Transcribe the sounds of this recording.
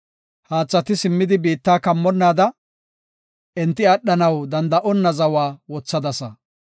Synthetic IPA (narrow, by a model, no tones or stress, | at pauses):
haːt͡sːɐt̪ɪsɪmːɪd̪ɪbiːt̪ːaːkɐmːɔnːaːd̪ɐ | ɛnt̪ːɪɐɗːɐnɐwd̪ɐnd̪ɐʔɔnːɐzɐwaːwɔt͡sːɐd̪ɐsɐ